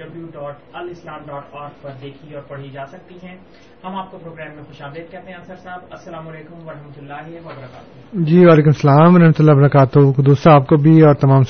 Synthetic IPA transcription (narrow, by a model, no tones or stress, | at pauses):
ɖɐbjuːɖɔːʈɐlɪslaːmɖɔːʈaːɾfpɐɾd̪eːkʰiɔːɾpɐɽ̤id͡ʒaːsɐk̚t̪iɦɛ̃ː | hɐmaːp̚kopɾoːɡɾɛːmːẽxʊʃaːbɪd̪̚kɛɦt̪ẽɦɛ̃ɐnsəɾsaːbɐsːɐlaːmʊːleːkʊmɐɾɐɦmət̪ʊlːaːɦeʋɐbɐɾɐka̰ːt̪ | d͡ʒiːʋaːleːkʊmsɐlaːmɐɾɐɦmət̪ʊlːabɐɾɐkaːt̪okd̪uːst̪aːp̚kobʱiɔːɾt̪ɐmaːms